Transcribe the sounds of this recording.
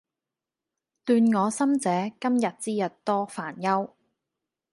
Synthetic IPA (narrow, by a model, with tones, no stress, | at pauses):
t̪yː˧nŋɔː˨˧sɐ˥mt͡sɛː˨˧˥kɐ˥mjɐ˨t̚t͡siː˥jɐ˨t̚t̪ɔː˥faː˨˩njɐ˥w